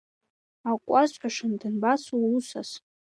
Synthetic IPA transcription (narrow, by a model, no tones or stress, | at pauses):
akʷʼazħʷᶣaʂɨndɨnbasuusas